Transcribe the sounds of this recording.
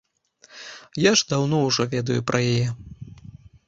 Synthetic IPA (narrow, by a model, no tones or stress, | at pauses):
jaʐd̪awnɔwʐɔvʲɛd̪ɐjupɾʔɐjajɛ